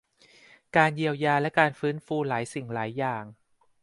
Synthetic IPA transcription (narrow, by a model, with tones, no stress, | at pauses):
kaː˧nji˧əwjaː˧lɛ˦˥kaː˧nfɯː˦˥nfuː˧laː˩˦jsi˨˩ŋlaː˩˦jːaː˨˩ŋ